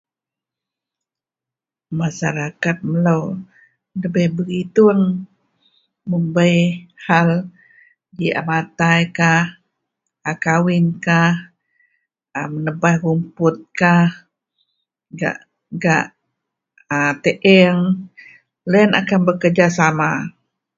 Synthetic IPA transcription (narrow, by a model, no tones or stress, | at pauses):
masaɾakat̪̚məlow | ləbəhbəɡit̪uŋ | məmbəjhal | dia̰mat̪ajkah | akawɪnkah | əmənəbahrumpʊt̪̚kah | ɡa̰ʔ | ɡa̰ʔ | at̪eʔɛŋ | ləəna̰kanbəkərd͡ʒasama